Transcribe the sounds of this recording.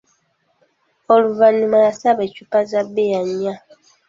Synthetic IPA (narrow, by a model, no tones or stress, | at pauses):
oluvanumajasaβet͡ʃupazabejaɲia